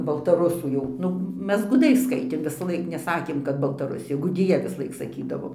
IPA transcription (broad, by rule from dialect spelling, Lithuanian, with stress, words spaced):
bɐlˠtɐˈrʊsuː jɛʊ ˈnʊ ˈmʲɛs ɡʊˈdɐɪ ˈskɐɪtʲeːm ʋʲɪsˈlˠɐɪk nʲɛˈsɑːkʲeːm kɐt bɐlˠtɐˈrʊsʲɪjɛ ɡʊˈdʲɪjɛ ʋʲɪsˈlˠɐɪk sɐˈkʲiːdɐʋoː